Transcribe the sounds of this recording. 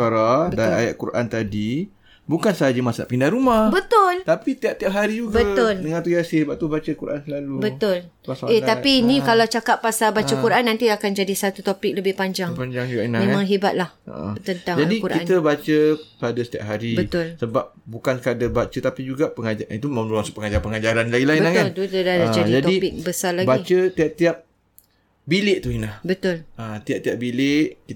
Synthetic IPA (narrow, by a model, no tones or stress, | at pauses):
aɾadaa̰ja̰ʔ̪̚kṵɾʔa̰nt̪adi | bukansaad͡ʒəmasna̰ʔpindahɾumahbət̪ʊlt̪apisət̪iaʔ̚t̪iap̚ɦaɾid͡ʒuɡbəatʊldəŋãnt̪ujasihibat̪t̪ubat͡ʃəkuɾʔa̰nsəlalubət̪ʊl | pasaet̪apiːnikalawt͡ʃakat̚ːasabat͡ʃakuɾʔanːant̪iakand͡ʒadisat̪ut̪opɪk̚ləbɪhpaɲd͡ʒaŋpaɲd͡ʒaŋd͡ʒuɡainamẽãŋɦibat̪̚laht̪ənt̪aŋd͡ʒadikuɾaʔkiant̪əbat͡ʃəpadasə̥t̪ia̰p̚ɦaɾibət̪ʊlsəbap̚bukankadabat͡ʃət̪apid͡ʒuɡapəŋad͡ʒait̪umənulaŋsupəŋad͡ʒaɾpəŋad͡ʒaɾanlaɡilainbənakalt̪ut̪udadad͡ʒadid͡ʒat̪odipɪk̚bəsarlaɡbait͡ʃət̪iap̚t̪iap̚ | bilɪʔt̪uinahbət̪ʊlat̪iap̚t̪iap̚bilɪʔki